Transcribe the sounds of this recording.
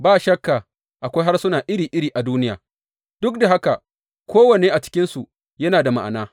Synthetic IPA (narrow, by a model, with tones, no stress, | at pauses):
baː˦ʃɐ˦kːaː˨ | ʔa˨kʷa˦jɦa˦rsʊ˦naː˨ʔɪ˦ɾiː˨ʔɪ˦ɾiː˨ʔa˨duː˦nɪ˦ja̰ː˨ | d̥ʊ˦k̚da˨ɦa˦ka˨ | kʷoː˦wɐ˨neː˦ʔa˨t͡ʃɪ̥˦kʲɪ˦nsu˨ | jɐ˦naː˨da˨ma˨ʔa˨naː˦